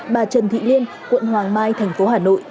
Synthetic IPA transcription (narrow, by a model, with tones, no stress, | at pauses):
ɓaː˨˩t͡ɕə˨˩nt̪ʰḭ˧˨li˧ən | kwə̰˧˨nhwaː˨˩ŋmaː˧jt̪ʰɛ˨˩jŋ̟fo˨˦ɦaː˧˩no̰˧˨jʔ